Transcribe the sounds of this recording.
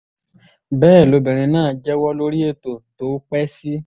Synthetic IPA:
bɛː˦˨lo˨˧bĩ˨ɾ̃ĩ˧nãː˦˨d͡ʒɛ˦wɔ˦lo˦ɾi˦e˦˨to˨to˨˦k͡pɛ˦si˦

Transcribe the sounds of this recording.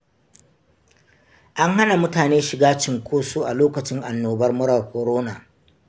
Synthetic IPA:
ʔa˦ŋɦa˦na˨mʊ˦taː˨neː˦ʃɪ˨ɡaː˦t͡ʃɪ˦˨ŋkʷʰoː˦su˦ʔa˨loː˦kɐ˨t͡ʃɪ˦ŋʔa˨nːoː˨bɐ˦rmʊ˦ɾɐ˨rkʷɔ˨ɾoː˦naː˨

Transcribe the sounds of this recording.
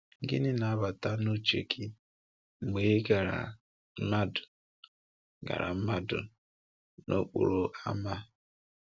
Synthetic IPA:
ŋ̩˦ɡɪ̰˦nɪ˦na˨˦ba˨ta˦no˦t͡ʃḛ˨kʰi˦ | m̩˨me˨˦ɡa˨ɾa̰˨˦ | ma˦dʊ̥˨ | ɡa̰˨ɾa̰˨m̩˦ma˦dʊ̰˨ | no˦k͡po̰˨ɾo˨a˦ma˦

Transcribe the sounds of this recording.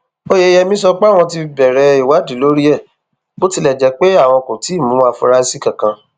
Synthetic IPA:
o˦je˧˦jɛ˧mĩ˦sɔ˧k͡pa˦˨w̃ɔ̃˧ti˧bɛ˨ɾɛ˧i˨wa˨˦di˨˦lo˦ɾi˦ɛ˦˨ | bo˦ti˧lɛ˦˨d͡ʒɛ˨˦k͡pe˦a˦˨w̃ɔ̃˧kũ˨ti˨˦i˦˨mũ˨˦a˧˨fũ˧ɾa˦˧si˦kã˨kã˧

